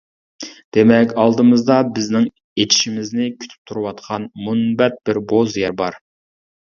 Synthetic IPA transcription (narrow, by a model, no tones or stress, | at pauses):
d̪̥emɛkʲɑlˠd̪ɨmɨzd̪ɑbɪznɪŋ | et̪ʰi̥ʃimɪznɪkʲʰy̥t̪ʰy̥p̚t̪ʰuɾɨwɑt̪̚qʰɑnmunbɛt̪̚b̥ɪɾbozjɛɾbɑɾ